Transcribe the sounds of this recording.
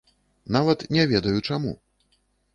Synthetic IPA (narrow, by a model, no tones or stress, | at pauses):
navɐt̪nʲɛvʲɛd̪ɐjut͡ʂamṵ